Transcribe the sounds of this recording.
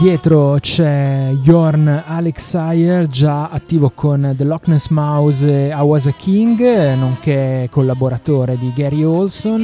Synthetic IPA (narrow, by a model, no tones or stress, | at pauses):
d̪jɛːt̪ɾot͡ʃɛjɔrnaleksajerd͡ʒaat̪ːiːvokʰond̪elɔknesmawzawazakʰiŋɡnoŋkɛkːolːaboɾat̪oːɾed̪iɡɛɾiɔlson